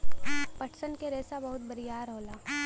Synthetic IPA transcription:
pɐʈʰsənkeɾeːsabɐɦʊt̪̚bɐɾijaːɾɦoːlaː

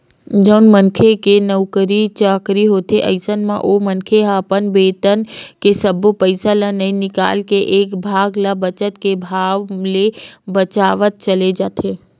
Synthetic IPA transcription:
d͡ʒənmənkʰekenəʋkəɾit͡ʃəkɾiɦot̪ʰeʔə̰jsənmã̰ʔomənkʰeɦapənbeːt̪ənkesəbʱopəjsalanəĩnɪka̰lkeʔekbʱaɡlabət͡ʃət̪kebʱaʋlebət͡ʃaʋət̪̚t͡ʃəled͡ʒat̪ʰe

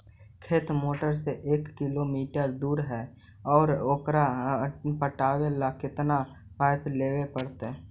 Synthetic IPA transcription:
kʰeːt̪moːʈəɾseʔeːkːɪlomiːʈəɾd̪uːɾɦɛː | ɔːɾoːkɾapəʈaːwelakɪt̪na | paːɪpleːwepəɽt̪ɦɛː

